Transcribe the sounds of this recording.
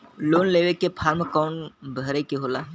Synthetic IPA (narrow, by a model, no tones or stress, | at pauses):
loːnleːʋekepʰaːɾmkɔːnbʱəɾekeɦoːlaː